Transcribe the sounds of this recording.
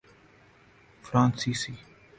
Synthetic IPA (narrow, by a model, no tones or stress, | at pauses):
fɾãːnsiːsiː